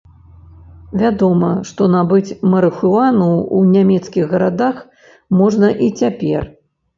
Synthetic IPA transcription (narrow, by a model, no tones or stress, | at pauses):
vʲad̪ɔmɐʂt̪ɔnabɨt͡sʲmɐɾɨxuanuunʲamʲɛt̪skʲiɣːɐɾad̪ax | mɔʐnɐʔit͡sʲapʲɛ̰r